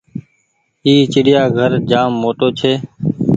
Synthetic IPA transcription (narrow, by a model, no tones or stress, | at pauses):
iːt͡ʃɪɽɪjaːɡʱəɾd͡ʒaːmːoːʈoːt͡ʃʰeː